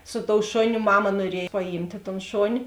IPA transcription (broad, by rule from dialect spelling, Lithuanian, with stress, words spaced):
sʊ toːʊ ˈʃoːˌnʲʊ ˈmɑːmɐ nuɔˈrʲiɛj pɐˈjiːmʲtʲeː toːn ˈʃoːnʲɪ